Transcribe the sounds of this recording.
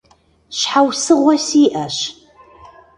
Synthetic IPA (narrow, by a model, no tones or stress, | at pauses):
ɕħawsɨʁʷɔsiːʔɐʃ